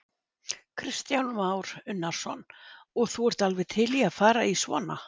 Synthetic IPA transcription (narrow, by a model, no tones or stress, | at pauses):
kʰɾɪst̪jawnmaːwɾʏnːaɾ̥sɔnɔɣθuɛɾ̥t̪alvɛðt̪ʰɪliaðfaːɾaisvɔ̰ːna